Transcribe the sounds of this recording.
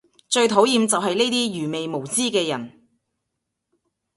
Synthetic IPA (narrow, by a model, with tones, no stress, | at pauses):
t͡ʃɵ˧ɥt̪ʰo˨˥wjiː˨˧mt͡sɐ˨wɦɐ˨jne˥jt̪iː˥jyː˨˩me˨jmo˨˩wt͡siː˥kɛː˧jɐ˨˩n